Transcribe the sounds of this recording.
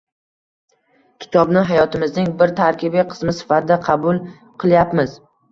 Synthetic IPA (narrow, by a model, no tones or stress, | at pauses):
kʲʰɪ̥t̪ʰɒbnɪɦajɒt̪ʰɪmɪznɪŋbɪɾt̪ʰaɾkʲɪbiqʰɨ̥smɪsɪ̥fat̪ɪd̪aqʰɑbʊlˠ | qʰɨlˠjapmɪz